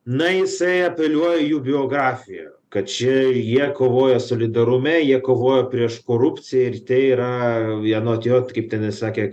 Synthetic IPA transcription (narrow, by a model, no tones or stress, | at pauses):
nɐjɪsɐɪɐpʲɛlʲuɔjɛjuːbʲɪoːɡɾɑːfʲɪjɛ̰ | kɐt̪̚t͡ʃʲɪjiɛkoːʋoːjɛsoːlʲɪd̪ɐɾʊmʲɛjiɛkoːʋoːjɛpʲɾʲiɛʃkoːɾʊpʲt͡ssʲɪjɛɪɾt̪ʲɛːiɾɐɛnoːt̪ʲjoːt̪kɐɪpt̪ʲɛɪnɐɪsɑːkʲeː